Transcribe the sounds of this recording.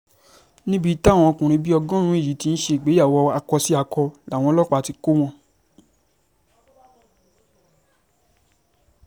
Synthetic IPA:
nĩ˦bi˦ta˦˨wɔ̃˧kũ˨ɾ̃ĩ˧bi˦ɔ˧ɡɔ̃˦ɾ̃ũ˨˦i˦˨ji˨˦ti˧ñ̩˦ʃe˧i˨ɡ͡be˨˦a˦˨wɔ˧a˧kɔ˧si˦a˧kɔ˧la˨w̃ɔ̃˧lɔ˦k͡pa˧˨˧ti˧ko˦w̃ɔ̃˦

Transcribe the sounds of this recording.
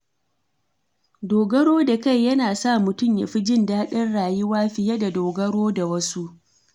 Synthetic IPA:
doː˨ɡɐ˦ɽoː˦da˨ka˦˨jːɐ˦naː˨sa˦˨mʊ˨tʊ˦˨mja̰˨ɸi˦d͡ʒɪ˦ndaː˦ɗɐ˦nɽaː˨jɪ˦waː˦ɸɪ˨jɐ˦da˨doː˨ɡɐ˦ɽoː˦da˨wɐ˦su˦ʔ

